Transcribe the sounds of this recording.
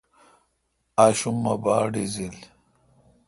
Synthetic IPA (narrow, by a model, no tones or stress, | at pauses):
aɕuŋɐbaːɖizil